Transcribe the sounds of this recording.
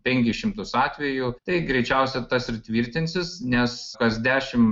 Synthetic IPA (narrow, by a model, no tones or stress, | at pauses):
pʲɛŋʲkʲɪʃʲɪmt̪ʊsɑːt̪ʲʋʲɛjut̪ɐɪɡɾʲɛɪt͡ʃʲɛʊsʲɛt̪ɐsɪɾt̪ʲʋʲiːɾʲt̪ʲɪnʲsʲɪsnʲɛskɐzʲd̪ʲæːʃʲɪm